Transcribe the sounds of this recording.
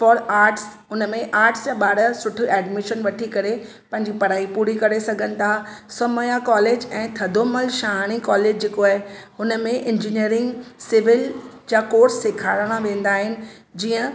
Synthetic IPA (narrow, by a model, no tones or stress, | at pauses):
fɔːɾaːɾʈs | ʊnmẽʔaːɾʈsjaɓaːɽəsʊʈʰʊ̆ɛːɖmɪʃənʋɐʈʰikɐɾe | pɐ̃ɦɪ̃ɲd͡ʑipɐɾaːipuːɾikɐɾesɐɡʱənɪ̆t̪ʰasɐməjakɔːleːd͡ʑɛ̃ːt̪ʰɐd̪ʱoməlʃaːɽ̃ikɔːleːd͡ʑd͡ʑeːkoaːɦeɦʊnəmẽʔɪ̃nd͡ʑiniəɾɪ̃ŋɡsɪʋɪld͡ʑakoːɾsːeːkʰaːɾɽ̃aʋẽːnd̪aːɦɪnɪ̆ | d͡ʑiːə̃